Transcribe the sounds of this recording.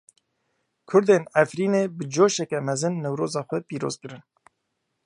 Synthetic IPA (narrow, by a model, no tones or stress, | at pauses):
kʰʊɾd̪eːnɛfɾiːneːbɨd͡ʒoːʃɛkɛmɛzɨnːɛwɾoːzɑːxʷɛpiːɾo̰ːzkɨɾɨn